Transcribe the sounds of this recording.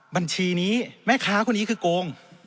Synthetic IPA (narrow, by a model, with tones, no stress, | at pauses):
ba˧nt͡ɕʰiː˧niː˦˥mɛː˥˩kʰaː˦˥kʰu˧˥˨nːiː˦˥kʰɯː˧koː˧ŋ